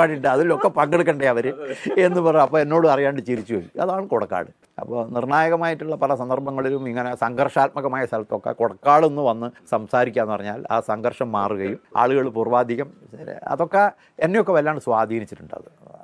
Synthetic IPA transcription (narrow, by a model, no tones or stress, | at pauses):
aːʈːiɳɖɨɐðilo̞kːɐpɐŋɡeɽuk̬ːɐɳɖeɐʋɐɾɨe̞nːɨpɐrɐɐpːoːenːo̞ːɽɨɐrijaːɳɖɨt͡ɕiɾit͡ɕːuojuɐ̰ðaːɳɨkoɽɐkːa̰ːɽɨ | ɐ̰pːoːnirɳaːjɐɣɐmaːjiʈːuɭːɐpɐlɐsɐnd̪ɐrbʱɐŋːɐɭilumiŋːɐnesɐŋɡɐrʂaːt̪̚mɐɣɐmaːjɐst̪ʰɐlɐt̪ːo̞kːɐ̰koɽɐkːaːɽonːɨʋɐnːɨsɐmsaːɾikʲːaːnːɨpɐrɐɲːa̰ːla̰ːsɐŋɡɐrʂɐmːaːruɣɐjuma̰ːɭuɣɐɭpuruʋaːd̪ʱːiɣɐmɐ̰ðo̞kːe | enːejokːeʋɐlijaːɳɖɨsʋaːd̪ʱiːnit͡ɕːiʈːuɳɖɐ̰ðɨ